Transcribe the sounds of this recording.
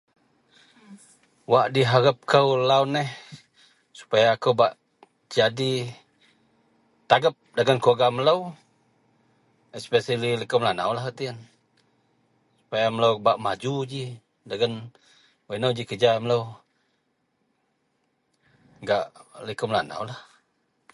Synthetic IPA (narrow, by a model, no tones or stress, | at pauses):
waʔdiɦaɾəp̚kʰəwlaʊnɛh | su̥pajaːkəwbaʔ | d͡ʒadi | t̪aɡəp̚daɡənkoɡamələw | ɛspɛsəlilikəmlana̰wlahkət̪iən | su̥pajamələwbaʔmad͡ʒud͡ʒi | daɡən | wənəwd͡ʒikəd͡ʒamələw | ɡaʔlikəmlana̰wlah